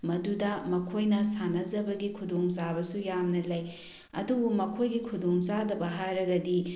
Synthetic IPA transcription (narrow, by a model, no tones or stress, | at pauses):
mɐdudɐmɐkʰojnɐsanɐzɐbɐɡikʰudoŋzabɐsujamnɐlɐj | ɐ̰dubumɐkʰojɡikʰudoŋzadɐbɐɦaɾɐɡɐdi